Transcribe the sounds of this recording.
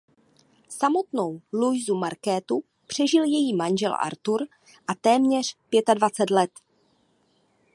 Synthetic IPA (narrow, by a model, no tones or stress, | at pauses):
samo̞t̪nowlujzumaɾkɛːt̪u | pr̝̥ɛʒɪljɛjiːmanʒɛ̰lʔa̰ɾt̪uɾ | ʔat̪ɛːmɲɛr̝̥pjɛt̪advat͡sɛt̪lɛt̪